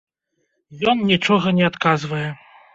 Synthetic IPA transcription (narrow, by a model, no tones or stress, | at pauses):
jɔnnʲit͡ʂɔɣɐnʲɛat̪kazvɐjɛ